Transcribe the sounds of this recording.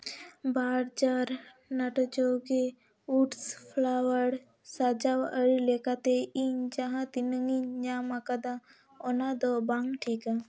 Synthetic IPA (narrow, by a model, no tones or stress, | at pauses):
baːɾd͡ʒaɾ | naʈɔt͡ʃoke | uʈspʰlawəɽ | sad͡ʒawəɾilekat̪eiɲd͡ʒaɦãt̪inəŋiɲd͡ʒamakad̪a | ɔnad̪ɔbaŋʈʰika